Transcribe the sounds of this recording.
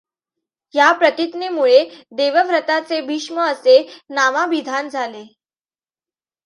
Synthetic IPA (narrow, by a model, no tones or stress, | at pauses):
japɾət̪it̪nemuɭed̪eʋəbʱɾət̪at͡sebʱiʂməəsenamaʋid̪ʱand͡zʱale